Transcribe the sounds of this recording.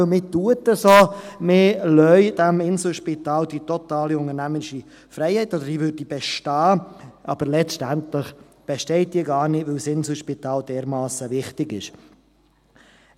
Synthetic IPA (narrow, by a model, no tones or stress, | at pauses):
lmɪːtuətəsoːmɪːlœʏd̥æmɪnsl̩ʃpitɑːld̥itɔt̪ɑːliʊŋəɾnæməɪʃi | fɾɛɪhɛɪtːɔd̪əɾdiːvøɾd̥ib̥ɛʃtɑːʔɑ̰b̥əɾlɛt͡ʃtæntləχ | b̥ɛʃtɛɪt̚d̥iːəɡɑːɾnɪʋɪlsɪnsl̩ʃpitɑːld̥ɛːɾmɑːsəʋɪχtɪɡɪ̰ʃ